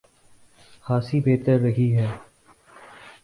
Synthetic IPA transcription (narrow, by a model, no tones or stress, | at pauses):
xaːsiːbeːt̪əɾːəɦiːɦɛː